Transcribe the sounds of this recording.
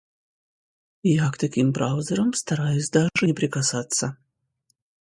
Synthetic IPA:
jakt̪ɐkʲimbɾaʊzʲəɾəmst̪ɐɾajɪsʲd̪aʐɨnʲɪpɾʲɪkasat̪sːɐ

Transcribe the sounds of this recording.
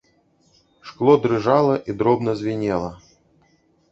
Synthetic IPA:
ʂklˠɔd̪ɾɨʐalˠɐʔid̪ɾɔbnɐzʲvʲinʲɛlˠɐ

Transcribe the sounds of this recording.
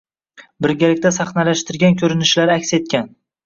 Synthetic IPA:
bɪɾɡʲalɪkʲt̪ʰasaχnalaʃt̪ɪɾɡʲankʲʰɵɾɪnɪʃlaɾakʲse̞t̪̚kʲan

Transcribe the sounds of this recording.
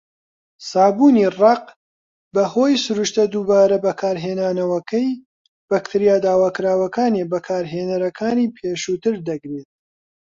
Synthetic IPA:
saːbuːnirɑq | bɐhoːjsʊɾuʃt̪ɐd̪uːbaːɾɐbɐkʰaːɾɦeːnaːnɐwɐkɐj | bɐkt̪ʰɨɾijaːd̪aːwaːkɨɾaːwɐkaːnebɐkʰaːɾɦeːnɐɾɐkʰaːniːpʰeːʃuːt̪ɨɾd̪ɐɡɾet̪̚

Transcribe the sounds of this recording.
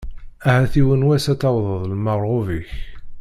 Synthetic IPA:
æhæθiwənwæsæt͡sːɑwðˤəðˤlmɑʁˤʁoviç

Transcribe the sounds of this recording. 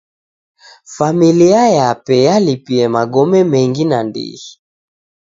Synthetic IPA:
familiajapɛjalipiɛmaɡɔmɛmɛŋɡinandḭhi

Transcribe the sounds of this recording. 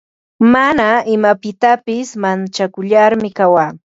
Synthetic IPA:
manaɪmapɪt̪apɪsmant͡ʃakʊʎaɾmɪkawaː

